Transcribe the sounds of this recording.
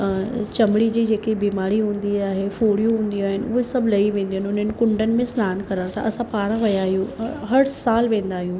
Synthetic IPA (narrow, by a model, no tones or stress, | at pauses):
t͡ɕɐmɽid͡ʑiːd͡ʑeːkibiːmaːɾiɦũːn̆d̪iaːɦefoːɽijũɦũːn̆d̪iaːɦɪnɪʊ̰ɦesɐbʱlɐiʋẽːn̆d̪iɦnʊn̤ənɪ̆kʊ̃ɳɖənɪ̆mẽsnaːnkɐɾət̪ʰa̰ʔɐsãpaːɾãʋɐjaːɦijũɦɐɽsaːlʋẽːnd̪aːɦijũː